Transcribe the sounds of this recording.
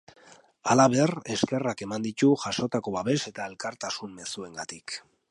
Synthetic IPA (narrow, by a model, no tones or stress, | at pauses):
alaβe̞re̞ske̞rake̞mand̪it̪uʝaʃo̞t̪ako̞βaβe̞se̞t̪ae̞lkaɾt̪asumme̞sue̞ŋɡat̪ik